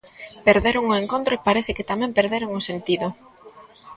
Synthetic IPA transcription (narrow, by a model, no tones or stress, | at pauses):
peɾðeɾʊŋʊeŋkont̪ɾoepaɾeθɪkɪt̪amɛ̃mpeɾðeɾoŋʊsent̪iðʊ